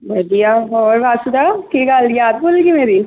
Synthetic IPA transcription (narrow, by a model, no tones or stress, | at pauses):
bɐɖijaɔːɾʋaːsʊd̪akiɡaːljaːd̪̚boːlɡimeːɾi